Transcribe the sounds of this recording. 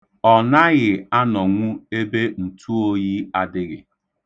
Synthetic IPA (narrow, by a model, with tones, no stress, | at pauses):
ɔ˨na˦ɣɪ˨a˦nɔ˨ŋʷu˦e˦be˦n̩˨tʰu˦o˦ɣi˦a˦dɪ˦ɣɪ̰˨